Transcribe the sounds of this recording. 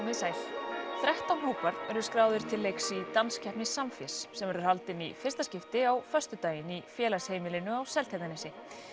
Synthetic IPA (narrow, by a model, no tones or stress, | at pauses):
ɪsaːjθθɾɛht̪awnhoːwpaɾðɛɾʏskɾaːwðʏɾ̥t̪ʰɪlːejksit̪anscʰɛhpnɪsːamfɪssɛmɛɾʏɾ̥halt̪ɪnḭfɪ̥rst̪ascɪft̪ɪawfœst̪ʏt̪aːjɪnifjɛːlasheːjmɪlɪnʏawsɛlt̪ʰajt̪anɪsɪ